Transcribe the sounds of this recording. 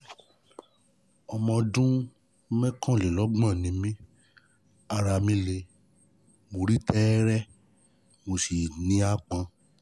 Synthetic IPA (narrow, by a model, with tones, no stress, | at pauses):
ɔ˧mɔ̃˧dũ˦ | mɛ̃˦kã˦˨le˨lɔ˦ɡ͡bã˦˨nĩ˨˦mĩ˦ | a˧˨ɾa˧˨mĩ˧˦le˧ | mo˨ɾi˦tɛ˦ɾɛ˦ | mo˧si˨nĩ˦a˦˨k͡pã˧˦